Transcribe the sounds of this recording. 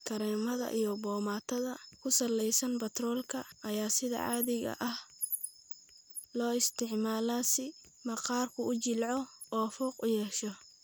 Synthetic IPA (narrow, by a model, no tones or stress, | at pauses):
kʰɐɾɛːmɐðɐ̰ʔijɔbɔːmaːt̪ʰɐðɐkʰʊsɐlɛjsɐnbɐt̪ʰrɔːlkʰɐɐjaːsɪðɐ̰ʕɑ̰ːðɪɣɐ̰ʔɐh | lɔːɪst̪ʰɪʕmaːlaːsɪ | mɐqɑːrkʰʊʊt͡ʃɪlʕɔɔːfɔːqʊjɛːʃɔ